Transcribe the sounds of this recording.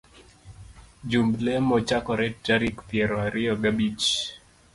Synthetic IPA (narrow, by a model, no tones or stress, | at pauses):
d͡ʒumblɛmɔt͡ʃakɔɾɛtaɾikpjɛɾɔaɾɪɔɡabit͡ʃ